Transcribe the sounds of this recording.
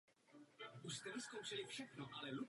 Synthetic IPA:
uʃst̪ɛvɪskowʃɪlɪfʃɛxnoʔalɛlu

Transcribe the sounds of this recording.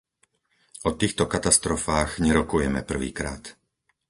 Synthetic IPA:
ɔt̪iːxt̪ɔkat̪ast̪ɾɔfaːɣɲɛɾɔkujɛmɛ̰pr̩ʋḭːkɾa̰ːt̪

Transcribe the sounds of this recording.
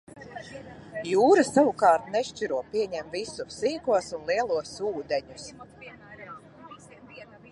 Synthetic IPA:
juːɾɨsavukɑːɾt̪nɛʃt͡ʃiɾuɔpʲiɛɲɛmvisusiːkuɔsunlˠiɛlˠuɔsuːd̪ɛɲus

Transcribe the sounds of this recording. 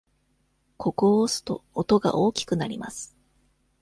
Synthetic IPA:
kʰo̞kosɨ̥t̪o̞̰ːt̪o̞ɡa̰ʔo̞ːkʲi̥kɯ̟naɾʲimasɨ̥

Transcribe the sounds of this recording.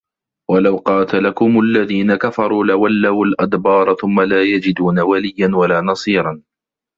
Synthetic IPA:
walawqɑːt̪alakʊmʊʔalːaðiːnakafɑɾˤuːlɪwalːawalʔad̪bɑːɾˤɑθʊmːalaːjad͡ʒɪd̪uːnawalɪjːanwalaːnɑsˤiːɾˤɑn

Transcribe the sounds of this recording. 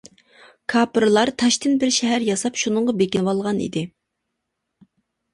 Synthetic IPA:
kʰɑːpɾɨlˠɑɾt̪ʰɑʃt̪ɪnbɪɾʃɛɦæɾjɑsɑpʃunɨɴʁɑbekʲinwɑlˠʁɑnḭd̪ɪ

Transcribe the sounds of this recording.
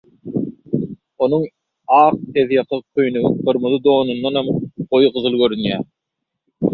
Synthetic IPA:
o̞nuŋ | ɑːq̚eðjɑqʰɑqʰøjnybɯɾmuðɯd̪o̞ːnund̪ɑnɑmojʁɯðɯlˠɡøɾynjæː

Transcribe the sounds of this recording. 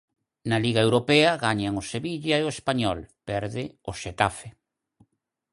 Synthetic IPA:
naliɣaewɾopɛɐɣaɲaŋoseβiʎaeoespaɲɔlpɛɾðɪoʃet̪afe

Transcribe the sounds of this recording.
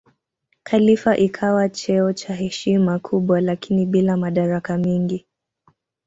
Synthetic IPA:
kʰalifaʔikʰawat͡ʃɛɔt͡ʃaɦɛʃimakʰuɓwalakiniɓilamaɗaɾakamɛŋɡi

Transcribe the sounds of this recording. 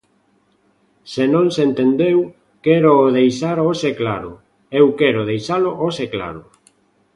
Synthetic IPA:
senõŋsent̪end̪ew | kɛɾoːðejsaɾoseklaɾʊ̰ | ewkɛɾoðejsaloʔosekla̰ɾʊ

